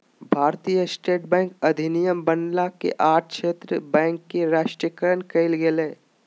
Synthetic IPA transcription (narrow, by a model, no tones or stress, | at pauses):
bʱaːɾt̪ijəsʈeːʈ̚bɛ̃ːŋkɐd̪ʱɪnijəmbənɖlakḛʔaːʈ̚ʰʃeːt̪ɾəbɛ̃ːŋkːeɾaːʃʈɾiəkəɾənkɐɪlɡelẽː